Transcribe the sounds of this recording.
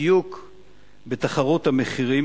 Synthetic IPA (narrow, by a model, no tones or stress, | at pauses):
juk | be̞t̪aχaʁot̪hameχiʁim